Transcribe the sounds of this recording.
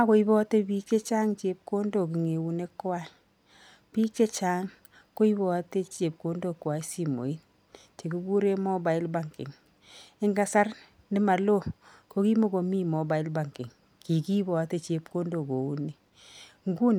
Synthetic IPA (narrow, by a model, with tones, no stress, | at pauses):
a˦ko˨˦i˦bɔ˦te˦bi˦ke˦t͡ʃaː˦ŋt͡ʃe˨˦p̚ko˦ndo˨ki˨ŋe˨wu˦ne˦kːwa˦ | pi˦kːe˦t͡ʃaː˦ŋ | ko˦i˦bɔ˨a˦te˦t͡ʃe˨p̚ko˦ndo˦˨kwa˨i˦si˨mo̰˨i˦n | t͡ʃe˨ku˦ku˦ɾe˦mɔ˦ba˨i˦lba˨ŋkɪ̰˨ŋ | ɪ˦ŋɡa˦sa˦r | ndɪ˦ma˨lo˦ko˦ki˦mo˦ko˨mi˦mɔ˨ba˨i˦lba˨ŋkɪ˨ŋ | ki˨ki˦bɔ˨a˦te˦t͡ʃe˨˦p̚ko˦ndo˨ko˨u˦ni˦ | ŋɡu˦n